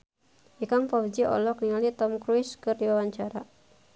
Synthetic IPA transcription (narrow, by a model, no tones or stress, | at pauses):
ʔikaŋpɔwd͡ʒiʔɔ̰lɔkniŋalit̪ɔmkɾuiskɨrdiwawaɲt͡ʃaɾa̰